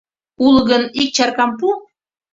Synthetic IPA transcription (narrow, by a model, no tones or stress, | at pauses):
ulɣənik̚t͡ɕɑrkɑmpu